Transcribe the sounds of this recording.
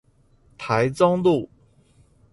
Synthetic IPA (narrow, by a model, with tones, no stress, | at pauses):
t̪ʰa˧˥ɪt͡sɑ˥ŋlu˥˩